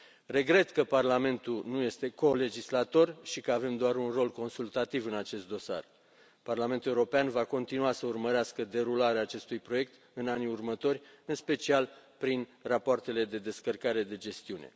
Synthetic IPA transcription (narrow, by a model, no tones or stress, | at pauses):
re̞ɡɾe̞t̪kəparlame̞nt̪ulnuje̞st̪e̞ko̞le̞d͡ʒislat̪o̞rʃikəave̞md̪oaɾunro̞lko̞nsult̪at̪ivɨnat͡ʃe̞st̪̚d̪o̞sa̰r | parlament̪uleuɾo̞peanvako̞nt̪inuasəurməɾeaskəd̪e̞ɾulaɾeaːt͡ʃe̞st̪ujpɾo̞je̞k̚t̪ | ɨnaniurmət̪o̞rʲɨnspe̞t͡ʃialpɾinrapoart̪e̞le̞d̪e̞d̪e̞skərkaɾe̞d̪e̞d͡ʒe̞st̪iunḛ